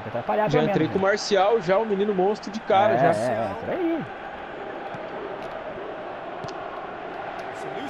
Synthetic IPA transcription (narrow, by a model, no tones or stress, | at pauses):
at̪ɾapaʎaʒaẽnt̪ɾejkõmaɾsiawʒaʊminĩnʊmõst̪ɾʊd͡ʒɪkaɾɐʒafɛɾai